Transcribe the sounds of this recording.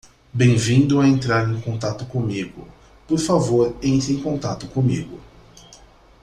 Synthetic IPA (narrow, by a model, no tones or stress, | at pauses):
bẽj̃vĩnd̪ʊaẽnt̪ɾaɾẽj̃kõnt̪at̪ʊkõmiɡʊ̰ | poɾfavoɾẽj̃t̪ẽj̃kõnt̪at̪ʊkõmiɡʊ